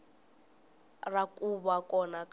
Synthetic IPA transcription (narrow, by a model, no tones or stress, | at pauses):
rakʼuβakʼɔnakʼ